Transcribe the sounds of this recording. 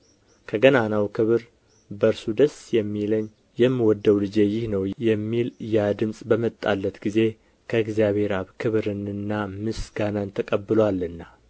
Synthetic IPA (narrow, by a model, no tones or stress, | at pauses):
kʰəɡənanawkʰɨβɾ | bəɾsud̪əsjɛmːiləɲː | jɛmːiwɔd̪ːəwlɨd͡ʒe̞jɪhnəwjɛmːiljad̪ɨmsʼbəmət̪ʼːa̰lːət̪ɡize̞ | kʰəɨɡzjaβhe̞ɾaβkʰɨβɾɨnɨnːamɨsɡanant̪ʰəkʼəbːɨlowalːɨnːa